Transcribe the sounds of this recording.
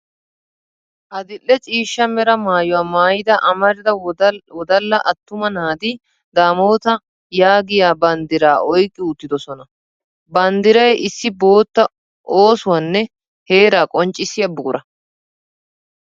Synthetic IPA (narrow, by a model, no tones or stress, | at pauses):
ʔɐd̪ɪlːɛt͡ʃʼiːʃːɐmɛɾɐmaːjɔwaːmaːjɪd̪ɐʔɐmɐɾɪd̪ɐwɔd̪ɐlːɐʔɐt̪ːʊmɐnaːd̪i | d̪aːmo̞ːt̪ɐ | jaːɡɪjaːbɐnd̪ɪɾaːʔɔjkʼːɪʊt̪ːɪd̪ɔsɔnɐ | bɐnd̪ɪɾɐjʔɪsːɪbo̞ːt̪ːɐ | ʔoːsʊwaːnːɛ | he̞ːɾaːkʼɔnt͡ʃʼːɪsɪjɐbʊɡʊɾɐ